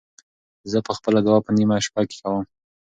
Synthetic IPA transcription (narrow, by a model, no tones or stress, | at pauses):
zəpəxpəlad̪awɑpənimaʃpake̥kawəm